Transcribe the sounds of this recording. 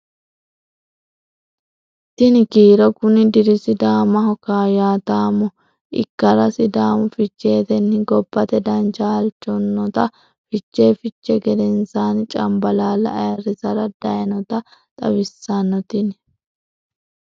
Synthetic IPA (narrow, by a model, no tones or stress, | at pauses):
t̪ɪnɪkiːɾɔkʊnɪd̪ɪɾɪsɪd̪aːmɐhɔkaːjaːt̪aːmɔ | ʔɪ̰kːɐɾɐsɪd̪aːmʊfɪt͡ʃːe̞ːt̪ɛnːɪɡɔbːɐt̪ɛd̪ɐnd͡ʒaːlt͡ʃːɔnːɔt̪ɐ | fɪt͡ʃːe̞ːfɪt͡ʃːɛɡɛd̪ɛnsaːnt͡ʃʼɐmbɐlaːlɐ̰ːjɐrɪsɐɾɐd̪̥ɐjɐnɔt̪ɐt̪ʼɐ̰wɪsːɐnɔt̪ɪn